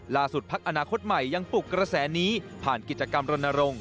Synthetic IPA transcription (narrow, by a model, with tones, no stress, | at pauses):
laː˧su˨˩t̪̚pʰa˦˥k̚ʔa˧naː˧kʰo˦˥t̪̚ma˨˩jːa˧ŋpu˨˩kːɾa˧sɛː˩˦niː˦˥pʰaː˨˩nki˨˩t̪̚t͡ɕa˧ka˧mɾo˧nːa˧ɾo˧ŋ